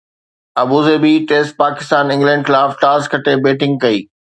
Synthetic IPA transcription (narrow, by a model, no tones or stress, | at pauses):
ɐbuːzebiʈeːsʈ̚paːkɪst̪aːnɪ̃ŋɡlɛ̃ːɳɖxɪlaːfʈaːskʰɐʈebeːʈɪ̃ŋɡ̚kɐiː